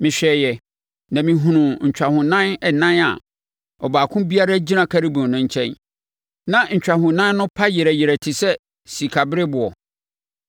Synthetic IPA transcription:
mɪ̃˨ɕᶣɛː˨jɛ˨ | nã˨mĩ˨ɦũ˨nʊ̃˨ɲ̩˨t͡ɕᶣa˨hʊ̃˨nã˦nɛ˨nã˦na̰˨ | ɔ˨baː˨kʰʊ̃˦bi˦a˦ɾa˦d͡ʑi˦nã˨kʰa˦ɾi˦bũ˨nʊ̃˦ɲ̩˦t͡ɕʰɛ̃˦n | nã˦ɲ̩˨t͡ɕᶣa˨ɦʊ̃˨nã˦n˦nʊ̃˦pʰa˦jɪ˨ɾɛ˨jɪ˨ɾɛ˨tʰɪ˨sɛ˦ | si˨kʰa˨bɪ˦ɾɪ˦bʊ˨ɔ˨

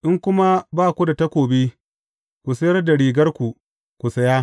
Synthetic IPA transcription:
ʔɪ˦ŋkʷʊ˦ma˦baː˦˨kʷu˦da˨ta˦kʷoː˨be˦ | kʷu˨sɐ˦jɐ˦rda˨ɽiː˨ɡɐ˦rkʷu˨ | kʷu˨sɐ˦jaː˦

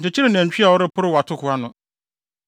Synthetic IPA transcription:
t͡ɕʰɪ˨t͡ɕʰi˦ɾɪ˦˨nɛ̃˨ɲ̩˨t͡ɕᶣi˦a˨wɔ˦ɾɪ˦pʰʊ˦ɾɪ˦wa˨tʰʊ˦kʰʊ˨a˦nʊ̃˨

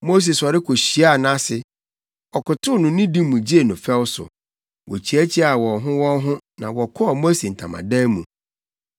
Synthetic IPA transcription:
mo˦s̬e˨sɔ˨ɾɪ˦kʰo˨ɕi˨a˦˨nã˦sɪ˨ | ɔ˨kʊ˨tʰʊ˦nʊ̃˨nĩ˦dĩ˦mũ˨d͡ʑi˦e˨nʊ̃˨fɛ˦wʊ˦sʊ̰˨ | wʔɔ̰˨t͡ɕʰi˨æ˦t͡ɕʰi˦a˨wɔ˨ɦʊ̃˦wɔ̃˦nɦʊ̃˦nã˨wɔ˨kʰɔ˦a˨mo˦se˨n̩˨tʰã̰˨ma̰˨dã˦mũ˨

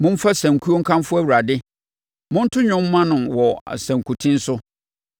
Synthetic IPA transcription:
mʊ̃˦m̩˦fa˦sæ̃˨ŋ˨kʰu˦o˦ŋ̩˦kʰã˦m˦fʊ˦æ˦˨wu˨ɾa˨dɪ˦ | mʊ̃˦n̩˦tʰʊ˦ɲᶣʊ̃˦m˦mã˦nʊ̃˨nwɔ̰˨sæ̃˨ŋ˨kʰu˨tʰĩ˦n̩˦sʊ˦

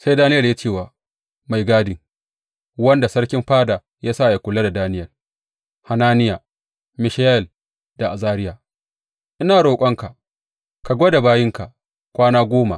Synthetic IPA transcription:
sa˦jdaː˦nɪ˦jɐ˨ljaː˦t͡ʃeː˦˨waː˨ | ma˨jɡaː˦dɪ˨ŋ | wɐ˦nda˨sɐ˦ɽkʲɪ˦mɸaː˦daː˨ | jaː˦saː˦˨ja˨kʷʊ˨la˦da˨daː˦nɪ˦jɐ˨l | ha˨naː˦nɪ˦jaː˨ | mɪ˨ʃa˦jɛ˨l | d̥a˨ʔa˨zaː˦ɾɪ˦jaː˨ | ʔɪ˦naː˨ɽoː˨kʷʼɐ˦ŋka˨ | ka˨ɡʷo˦da˨baː˦jɪ˦ŋka˨ʔ | kʷaː˦naː˦ɡʷoː˦ma̰˨ʔ

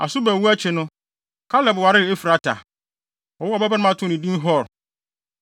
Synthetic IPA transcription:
a̰˨sʊ˦bɛ˨wu˦æ˦t͡ɕʰɪ˨nʊ̃˦ | kʰa˦lɛ˨bwa˨ɾɪ˦˨e˦fɾa˨tʰa̰˨ | ɔ˨wʊ˦ɔ˨bɛ˦ba˦nʊ̃˦ã˦tʰʊ̃˦˨nĩ˨dĩ˦n˦ɦɔ˦˨ɾ

